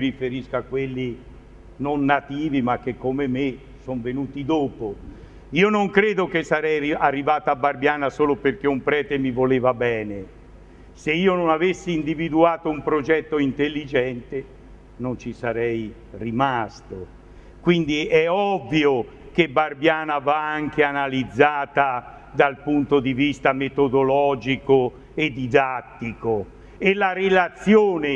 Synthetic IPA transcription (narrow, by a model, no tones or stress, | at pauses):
ɾifeɾiskakːwelːi | nonːat̪iːvimak̟ːekːomeme | sɔɱvenuːt̪id̪oːpo | iːonoŋkɾeːd̪ok̟esːaɾɛjiarːivaːt̪abarbjaːnasoːloperk̟eumpɾɛːt̪emivoleːvabɛːne | seiːononavesːiːnd̪ivid̪uaːt̪oumpɾod͡ʒɛt̪ːoint̪elːid͡ʒɛnt̪e | nont͡ʃisaɾɛj | rimast̪o | kwind̪iɛɔvːjo | kebarbjaːnavaaŋk̟eanalid̪zːaːt̪a | d̪alpunt̪od̪ivist̪amet̪od̪olɔːd͡ʒiko | ed̪ːid̪at̪ːiko | elaɾelat̪sːjoːne